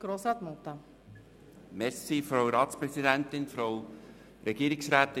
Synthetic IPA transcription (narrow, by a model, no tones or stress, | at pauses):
ɡ̥ɾoːsat̪mɔlˠt̪a | mɛɾsifɾɔwɾɑːt̪spɾɛsid̪ænt̪ɪnfɾɔw | ɾʔɛɡiːəɾɪksɾaːt̪ː